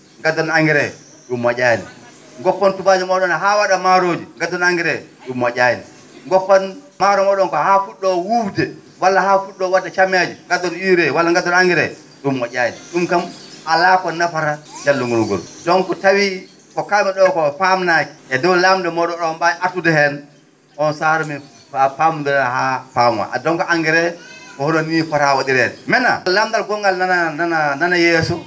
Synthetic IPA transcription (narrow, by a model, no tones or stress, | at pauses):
ŋɡatːɔnaŋɡiɾɛ | ɗumːɔd͡ʒʲajnɛ̰ | ŋɡɔkːɔntubad͡ʒimɔɗɔnɦawaɗamaɾod͡ʒiŋɡadɔnaŋɡiɾɛɗumːɔd͡ʒʲajnɛ | ŋɡɔkːɔnmaɾɔmɔɗɔnkɔhafuɗːɔwufdɛ | walːahafuɗːɔwadːat͡ʃamjad͡ʒiŋɡatːɔniɾɛwalːaŋɡadɔnaŋɡiɾɛ̰ | ɗumːɔd͡ʒajnɛ̰ɗumkamalakɔnafaɾad͡ʒalːuŋɡunɔɡɔ̰ɾɔ̰dɔnkɔtawi | kɔkamɛɗɔkɔpamnaki̥ɛdɔwlamdɛmɔɗɔɗɔmbajʔatudɛhɛn | ʔɔnsaɾɔmi | apamdɾhapamwa̰ʔadɔŋkɔʔaŋɡɛɾɛkɔhɔnɔnifaɾawaɗiɾɛdɛmɛna̰ːamdalɡɔŋɡalanananananajɛːsɔ